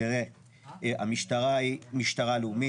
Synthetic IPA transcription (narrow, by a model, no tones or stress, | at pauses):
iʁe | a̰miʃt̪aʁaimiʃt̪aʁalumi